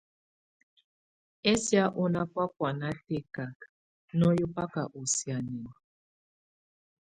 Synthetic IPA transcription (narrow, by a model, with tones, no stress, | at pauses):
ɛ˦si˦a˦ʔu˦na˦pwa˦kwa˨na˦te˦ka˨k | nɔ˦ju˦pa˦ka˨ʔu˨si˨a˨ni˨wa˨